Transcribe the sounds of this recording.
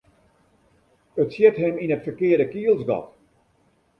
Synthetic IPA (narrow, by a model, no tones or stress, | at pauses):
ətsjɛtɦɛminətfəkɪədəkiəlˠsɡɔ̰t